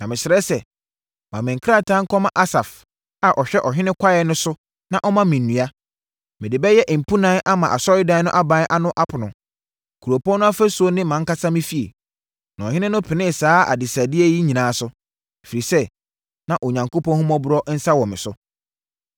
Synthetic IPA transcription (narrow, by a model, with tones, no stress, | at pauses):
nã˨mɪ̃˨ɕɪ˨ɾɛ˦sɛ˨ | mã˨mɪ̃˨ŋ̩˨kʰɾa˦tʰã˦ŋ̩˦kɔ˦mã˨ʔa˦sa˨f | a˨ʔɔ˨ɕᶣɛ˦ʔɔ˨ɦɪ̃˦nɪ̃˦kʰʷa˦jɛ˨nʊ̃˦sʊ˦ | nã˨ʔɔ˦mã˦mɪ̃˨nː˨ũ˨a˦ | mɪ̃˨dɪ˨bɛ˦jɛ˦ʔm̩˨pʰu˦nãː˦ʔa˦mã˨ʔa˨sɔ˦ɾɪ˦dã˦nʊ̃˦ʔa˦bã˦n˦ʔa˦nʊ̃˦ʔa˦pʰʊ˨nʊ̃˨ | kʰu˨ɾo˨pʰɔ̃˦nʊ̃˦a˦fæ˦su˨˦o˦nɪ̃˦mã˨˦ŋ˦ka˦sã˦mɪ̃˦fi˨˦ḛ˨ | nã˨ɔ˨hɪ̃˦nɪ̃˦nʊ̃˦pʰɪ˨nɪ̃˦˨saː˦a̰˨dɪ˨sa˨dɪ˦ɛ˦ji˦ɲĩ˨nãː˨˦sʊ˦˨ | fi˨ɾi˨sɛ˦ | nã˨ʔɔ˨ɲã˨ŋko˦pɔ̃˦n˦hũ˦mɔ̃˦bʊ˦ɾɔ˦n̩˦sa˦wɔ̃˨mɪ̃˨sʊ˦